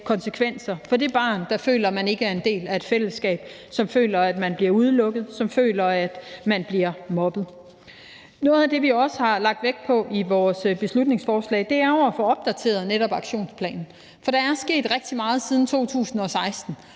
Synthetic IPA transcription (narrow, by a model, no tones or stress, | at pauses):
kʰɒ̽nsəkʰʋen̰sɐfɒ̽d̥e̝b̥ɑ̰̈ːnd̥ɑfø̰ːlɐmæne̝ɡ̥əæɐe̝nd̥e̝̰ːlæe̝d̥fel̰əsɡ̥ɛ̰ːb̥ | sɒ̽mfø̰ːlɐæd̥mænb̥liɐuð̞ˠlɔ̽ɡ̥ð̩ˠsɒ̽mfø̰ːlɐæd̥mænb̥liɐmɒ̽b̥ð̞̩ˠ | nɔ̽ːð̞̩ˠæd̥e̝ʋiɒ̽səhɑ̈lɑ̈ɡ̥̚d̥ʋeɡ̥̚pʰɒ̽iʋɒːsb̥e̝slud̥ne̝ŋsfɒːslɛ̰ːd̥e̝æɐɒʊæfɔ̽ɒ̽b̥̚d̥æt͡sʰe̝̰ːɐð̞̩ˠneɾɒ̽b̥ɑ̈ɡ̥ɕo̝̰ːnspʰlɛ̰ːnn̩ | fɒ̽ɾ̥ɑ̈æɐsɡ̥e̝̰ːd̥ʁɛɡ̥̚d̥imɑ̈ːð̞̩ˠsiːð̞ˠn̩t͡sʰo̝̰ːt͡sʰṵːsn̩ɒ̽sɑ̈ɪsd̥n̩